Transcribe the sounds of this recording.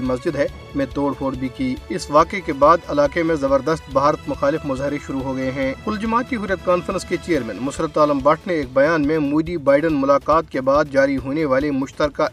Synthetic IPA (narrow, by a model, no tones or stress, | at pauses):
imɐsd͡ʒɪd̪ɦɛ | mɛ̃t̪oːɽpʰoːɽbʱikiːɪsʋaːkekebaːd̪ɐlaːkemẽzɐbəɾd̪əst̪̚bʱaːɾət̪mʊxaːlɪfmʊzɦɪɾeʃʊɾuɦoɡɐeɦɛ̃ːkʊld͡ʒʊmaːt̪iɦʊɾjət̪̚kaːnfəɾə̃nsket͡ʃeːjəɾmɛ̰̃ːnmʊsɾət̪aːləmbɐʈʰneeːk̚bɐjaːnmẽmuːd̪ibaːɪɖənmʊlaːqaːt̪̚kebaːd̪̚d͡ʒaːɾiɦoːneʋaːlemʊʃt̪əɾka